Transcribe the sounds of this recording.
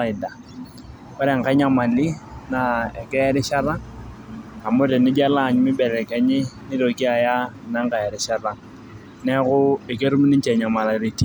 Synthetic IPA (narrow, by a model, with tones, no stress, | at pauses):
a˨ɪ˨da˨ | kɔ˦ɾɛ˨ŋ̩˨ka˦ɲa˦ma˨li˦na˨ɛ˨kɛ˦ɾɪ˦ʃa˦ɾa˦ŋ | a˨mʊ˦ɾɛ˨nɪ˦d͡ʒa˦la˦˨ɲmɪ˦bɛ˨ɾɛ˨kɛ˨ɲɪ˦nɪ˦ɾo˨ki˦a˨ja˦na˨˦ŋ̩˦ka˨ɛ˨ɾɪ˨˦ʃa˦ɾa˦ŋ | nɛ˦kʊ˦e˨ke˦ɾu˦mi˦ni˦ɲt͡ʃɛ˨ɲa˨ma˨la˨ɾe˨ti˦